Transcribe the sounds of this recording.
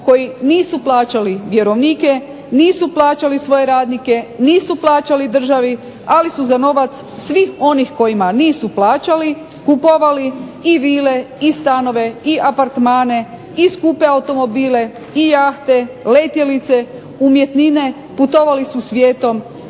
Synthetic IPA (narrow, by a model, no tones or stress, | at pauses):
ko̞jiniːsuplˠaːt͡ʃaliʋje̞ɾo̞ʋniːke̞ | niːsuplˠaːt͡ɕalisʋo̞je̞ɾaːd̪nike̞niːsuplˠaːt͡ʃalid̪r̩ʒaʋi | alisuzano̞ʋat̪ssʋixo̞nixko̞jimaniːsuplˠaːt͡ɕali | kupoʋaliiʋiːle̞ist̪ano̞ʋe̞iʔapaɾt̪maːne̞ | iskupe̞awt̪o̞mo̞biːle̞ | ijaxt̪e̞let̪jelit̪se̞ | umje̞t̪nine̞ | put̪o̞ʋalisusʋje̞ːt̪o̞m